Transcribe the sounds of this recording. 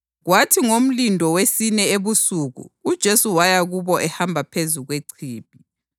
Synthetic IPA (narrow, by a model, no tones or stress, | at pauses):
ɣwatʰiŋom̩lindʱɔwesinɛeβusuɣṵːd̥ʒ̥ʱesuwajaɣuβɔʔɛhambʱapʰezuɣweǀʰiːp̚i